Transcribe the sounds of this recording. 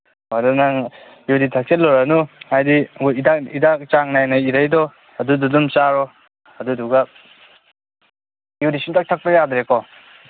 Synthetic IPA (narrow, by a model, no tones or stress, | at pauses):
adanaŋ | juditʰak̚setlɔɾanuŋajdiidakidak̚t͡ʃaŋnajnaiɾajdɔ | ɐdududumt͡ʃaɾɔ | ɐduduɡa | judisuntak̚tʰak̚pajadɾekɔ